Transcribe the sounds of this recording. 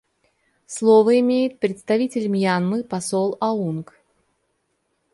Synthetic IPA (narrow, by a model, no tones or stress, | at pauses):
slˠovəɪmʲejɪt̪̚pɾʲɪt̪st̪ɐvʲitʲɪlʲmjanmɨpɐsolˠɐunk